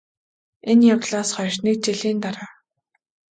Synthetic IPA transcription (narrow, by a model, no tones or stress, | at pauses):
enjawɮaːsχɔjʃniːk̚t͡ɕiɮiːnt̪aɾaː